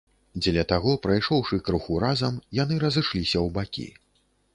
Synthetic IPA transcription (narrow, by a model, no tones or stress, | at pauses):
d͡zʲɛlʲɐt̪aɣɔpɾajʂɔwʂɨkɾuxuɾazɐmjanɨɾɐzɨʂlʲisʲɐwbakʲḭ